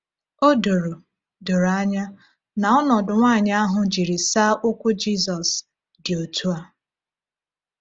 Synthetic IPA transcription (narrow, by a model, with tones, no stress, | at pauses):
o˦do˨ɾo˨ | do˨ɾo˨a˦ɲa˦ | na˨ɔ˦nɔ˨dʊ˨ŋʷaː˦˨ɲ˦a˦ɦʊ˨d͡ʒi˨ɾi˨saː˦ʔʊ˦kʷʊ˦d͡ʒi˦sɔ˨s | dɪ˨o˨tʰu˦a˦